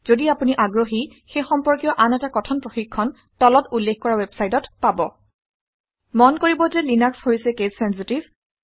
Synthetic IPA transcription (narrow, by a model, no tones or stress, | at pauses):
z̥odiapuniʔaɡɹoɦi | xejxɔmpɔɹkijɔʔanɛtakɔtʰɔnpɹoxikʰːɔn | tɔlɔtulːekkɔɹawɛbsajtɔtpabɔ | mɔnkoɹibɔzɛlinakshojsɛkezsɛnsitiv